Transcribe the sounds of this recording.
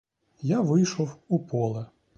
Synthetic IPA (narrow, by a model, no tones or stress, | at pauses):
jaʋɪjʃɔwupɔlˠɐ